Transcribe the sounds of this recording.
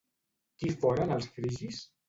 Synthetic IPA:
kifɔɾənəlˠsfɾiʒis

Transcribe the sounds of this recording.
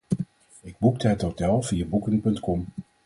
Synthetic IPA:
ɪɡ̚buk̚dəɦətɦowtɛlˠv̥ijabukənpɵntkɔm

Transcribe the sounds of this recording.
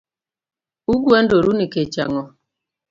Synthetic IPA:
uɡwɛndoɾuniket͡ʃa̰ŋɔ

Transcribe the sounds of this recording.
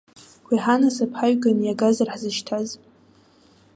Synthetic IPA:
kʷʰiħanasapʰħaɥɡanjaɡazarħzɨʃtʰaz

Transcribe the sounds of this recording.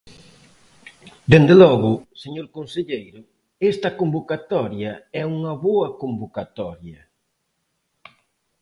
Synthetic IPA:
d̪end̪elɔɣʊseɲoɾkõnseʎejɾʊ | est̪ɐkombokat̪ɔɾjɐɛuŋɐβoɐkombokat̪ɔɾjɐ

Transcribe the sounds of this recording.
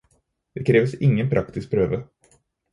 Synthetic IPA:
d̪̥ɛkʰɾeːvəsɪŋːənpʰɾʔakt̪ɪsk̚pʰɾøːvə

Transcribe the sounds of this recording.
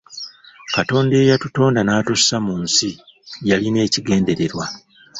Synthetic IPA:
kato̞ːnde̞ːjatuto̞ːndanaːtusːamunsijaline̞ːciɡe̞ːnde̞ɾe̞ɾwa

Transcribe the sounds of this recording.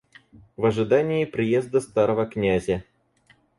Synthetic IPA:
vɐʐɨd̪anʲɪːpɾʲɪjezd̪əst̪aɾəvəknʲæzʲə

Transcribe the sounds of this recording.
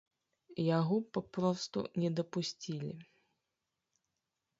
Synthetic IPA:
jaɣɔpapɾɔst̪ṵnʲɛd̪ɐpusʲt͡sʲilʲḭ

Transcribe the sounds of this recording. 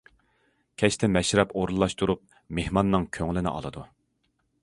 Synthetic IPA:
kʲʰɛt͡ʃt̪ʰɪmɛʃɾɛpoɾulˠːɑʃt̪uɾup̚ | mehmɑnːɨŋkʲʰøŋlɪnɪ̰ʔɑ̰lˠɨd̪u

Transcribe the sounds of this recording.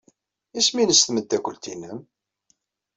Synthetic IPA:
isminəsθməd̪ːækʷəlt̪inəm

